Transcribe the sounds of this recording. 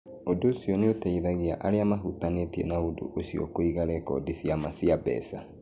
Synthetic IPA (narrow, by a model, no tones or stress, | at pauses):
odoːsiɔneotaiðaɣeaʔaɾeamaɦutanetiḛnaodo̰ʔosiɔ̰koiɣaɾɛkɔ̰disiamasiabɛ̰sa